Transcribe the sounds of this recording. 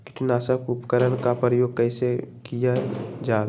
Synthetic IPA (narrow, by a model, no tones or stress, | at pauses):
kɪ̥t̪ʰunasəkupkəɾənkapɾəjoːɡ̚kəɪsekijad͡ʒaːl